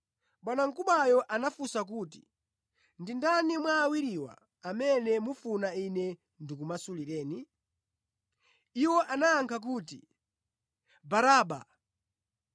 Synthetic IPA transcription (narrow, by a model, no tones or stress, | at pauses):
ɓwanaŋ̩kuɓajɔʔanafusak̬uːtḭ | ndindanimwaːwiɾiwa̰ː | mɛnɛmufunainɛ | ndikumasuliɾɛːni | iwɔʔanajaŋkʰak̬uːtḭ | baɾaːɓa̰